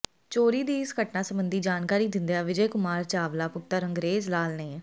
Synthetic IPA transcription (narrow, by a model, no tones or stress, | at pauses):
t͡ʃoːɾiːd̪iːɪsɡəʈnaːsəmbənd̪iːd͡ʒaːnkaːɾiːd̪ɪnd̪jaːʋɪd͡ʒɛːkʊmaːɾt͡ʃaːʋlaːpʊt̪ːəɾəŋɡɾeːzlaːlneː